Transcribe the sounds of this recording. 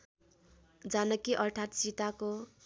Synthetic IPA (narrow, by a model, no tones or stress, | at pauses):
d͡zanʌkiʔʌrʈʰat̪sit̪ako